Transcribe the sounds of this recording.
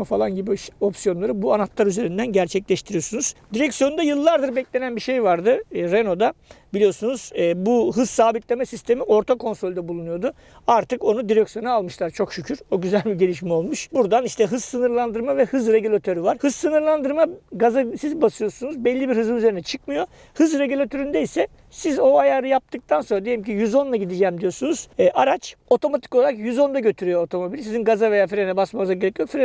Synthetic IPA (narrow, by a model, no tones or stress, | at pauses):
falˠanɟibio̞psijo̞nlˠaɾɯbuanat̪lˠaɾyze̞ɾind̪ænɟæɾt͡ʃʰɛclʲɛʃt̪ʰiɾijo̞sunuz̥d̪iɾɛcsjo̞nnd̪ajɯlˠːaɾd̪ɯɾbɛclʲe̞nænbiʃe̞jvaɾd̪ɯɾeno̞d̪abilʲijo̞sunuzbuɦɯz̥saːbit̪lʲe̞mɛsist̪ʰe̞miʔo̞ɾt̪ʰakʰo̞nsɾo̞lʲd̪ɛbulˠunujo̞d̪u | aɾt̪ʰɯko̞nud̪iɾɛcsijo̞nalˠmɯʃlˠaɾt͡ʃʰo̞kʃycʰyɾo̞ɟyzælʲbiɟe̞lʲiʃmɛo̞lˠmuʃbuɾd̪aniʃt̪ʰɛɦɯz̥sɯnɯɾlˠand̪ɯɾmavɛhɯzɾe̞ɟylʲat̪ʰø̞ɾyvaɾ̥hɯzsɯnɯɾlˠand̪ɯɾmaɡazasizbasɯjo̞sunuzbɛlʲːibiɾhɯzɯnyze̞ɾinɛt͡ʃʰɯkmɯjo̞ | hɯzɾe̞ɟylʲat̪ʰø̞ɾynd̪ɛisɛ | sizo̞ajaːɾɯjap̚t̪ʰɯk̚t̪ʰanso̞nɾad̪eimcʰijyzo̞nlˠaɟid̪id͡ʒɛmd̪ijo̞sunuz̥ɛːʔaɾat͡ʃo̞t̪ʰo̞mat̪ʰi̥koaɾakjyzo̞nd̪aɟø̞t̪ʰyɾyjoot̪ʰo̞mo̞bilʲsizinɡazave̞jaːfiɾenɛbasmaɯzaɡɟeɾɛcjokfiɾe